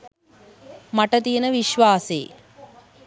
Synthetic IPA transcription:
mɐʈɐt̪ijnɐʋiʃʋaːsḛː

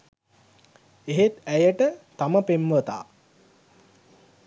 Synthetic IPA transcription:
eɦet̪æjəʈət̪aməpemʋət̪a̰ː

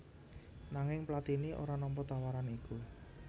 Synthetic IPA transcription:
naŋɪŋplat̪iniʔo̰ɾanɔmpɔt̪awaɾaniku

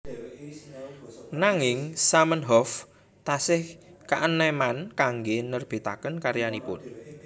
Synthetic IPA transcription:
naŋɪŋsamənɦɔf | t̪asɪhkaʔənːɛmankaŋɡenərb̥e̤t̪akənkaɾjanipʊn

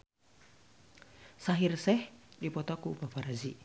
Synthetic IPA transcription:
saɦirsɛhdipɔt̪ɔkuːpapaɾazi

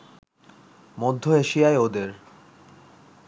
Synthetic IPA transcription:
mod̪ʱːoeʃiaeod̪eɾ

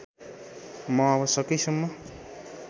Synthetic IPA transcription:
mʌʌβʌsʌkʌjsʌmːʌ

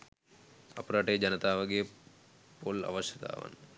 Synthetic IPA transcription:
ɐpɐɾaːʈeːd͡ʒɐnɐt̪aːʋɐɡej | polɐ̰ʋɐʃjɐt̪a̰ːʋɐ̰n

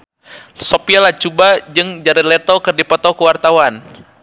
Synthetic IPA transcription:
sɔpialat͡ʃubad͡ʒɨŋd͡ʒaɾilɛt̪ɔkɨrdipɔt̪ɔkəwart̪awan

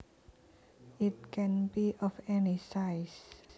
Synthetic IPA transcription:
it̚kʰɛ̃nbiʔɔfɛnisajs

